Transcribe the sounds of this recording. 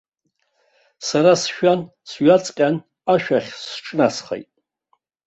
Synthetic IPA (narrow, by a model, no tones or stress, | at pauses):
saɾasʃᶣan | sɥat͡sʼqʲʼan | aʃᶣaχʲsʈ͡ʂʰnasχḛjtʼ